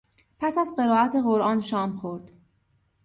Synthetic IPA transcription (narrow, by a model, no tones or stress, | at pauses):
pʰæsæzɢe̞ɾɒːʔæt̪ʰe̞ɣo̞ɾʔɒːnʃɒːmxoɾd̪̥